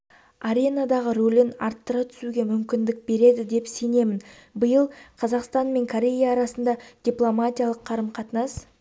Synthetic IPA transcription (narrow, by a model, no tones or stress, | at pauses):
aɾʲe̞nad̪ɑʁəɾolʲenɑɾt̪ːəɾɑt̪ʰʏ̥suɡʲe̞mʏmkʲɪnd̪ɪk̚be̞ɾe̞d̪ɪd̪e̞pse̞ne̞mɪnbəjəlˠqʰɑzɑqst̪ɑnme̞ŋkʰoɾʲe̞jaːɾɑsənd̪ɑd̪̥ʲiplˠomatʲijalˠəqʰːɑɾəmqʰɑt̪ənɑs